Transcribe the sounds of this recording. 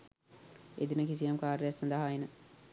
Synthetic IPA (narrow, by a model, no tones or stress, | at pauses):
ed̪inəkis̬ijamkaːɾejasand̪əɦaenə